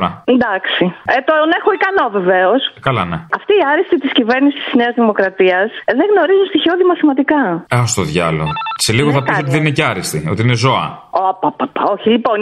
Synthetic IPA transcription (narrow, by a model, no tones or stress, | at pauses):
ɾɐnd̪ɐksiet̪onexoikɐno̞ve̞ve̞oskɐlɐ̰neɐft̪iːɐɾist̪it̪iscive̞ɾnisi̥st̪i̥zne̞ɐzðimo̞kɾɐt̪iɐsðeɣno̞ɾizunst̪içioðimɐθimɐt̪ikɐeost̪oðʝɐ̰loseliɣoθɐpisot̪iðenineceɐɾist̪io̞t̪iine̞zo̞ɐ̰opapapaoçilipo̞n